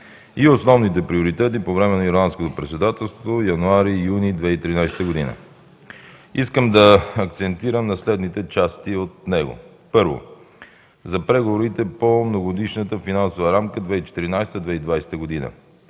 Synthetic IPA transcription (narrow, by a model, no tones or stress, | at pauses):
iosnɔvnit̪ɛpɾioɾit̪ɛt̪̬ipovɾɛmɛnɐiɾlˠanskot̪opɾɛt̪sɛd̪at̪ɛlˠst̪vojɐnuaɾijunid̪vɛit̪ɾinajsɛ̥t̪əɡod̪inə̰ | iskəmd̪ɐːkt̪sɛnt̪iɾəmnɐslɛd̪nit̪ɛt͡ʃast̪iot̪nɛɡo̰ | pɤɾvo̰ | zɐpɾɛɡovoɾit̪ɛpomnoɡod̪iʃnət̪əfinansovəɾamkəd̪vɛit͡ʃɛ̥t̪iɾinajsɛ̥t̪əd̪vɛid̪vajsɛ̥t̪əɡod̪inə̰